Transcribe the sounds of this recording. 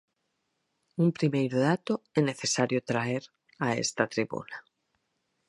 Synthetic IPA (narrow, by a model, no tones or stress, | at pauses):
umpɾimejɾoðat̪oene̞θesaɾjot̪ɾaeɾ | aḛst̪at̪ɾiβṵna